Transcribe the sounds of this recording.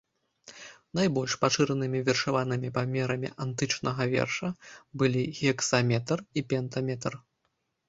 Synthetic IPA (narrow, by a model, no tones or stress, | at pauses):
najbɔlʲʂpaʂɨɾɐnɨmʲivʲɛrʂavanɨmʲipamʲɛɾɐmʲḭʔant̪ɨt͡ʂnɐɣɐvʲɛ̰rʂɐbɨlʲiɣʲɛksamʲɛt̪ripʲɛnt̪ɐmʲɛt̪r